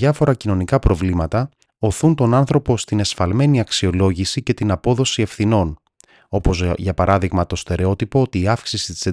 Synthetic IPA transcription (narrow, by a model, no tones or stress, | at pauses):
ɐfo̞ɾɐcino̞nikɐpɾo̞vlimɐt̪ɐ | o̞θunt̪o̞nɐnθɾo̞po̞st̪ine̞sfɐlme̞niɐksio̞lo̞ʝisice̞t̪inɐpo̞ðo̞sie̞fθino̞n | o̞po̞zʝɐpɐɾʔɐðiɣmɐt̪o̞st̪e̞ɾeo̞t̪ipoot̪iːɐfksisit̪i̥se